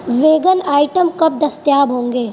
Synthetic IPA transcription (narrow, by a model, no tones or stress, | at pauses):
ʋeːɡənaːɪʈəmkɐp̚d̪ɐst̪jaːbɦõːŋɡeː